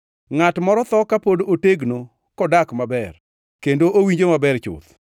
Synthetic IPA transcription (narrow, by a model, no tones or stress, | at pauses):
ŋatmɔɾɔt̪ɔkapodooteɡno | kɔdakmabɛr | kendoʔowiɲd͡ʒomabɛrt͡ʃʊ̰t̪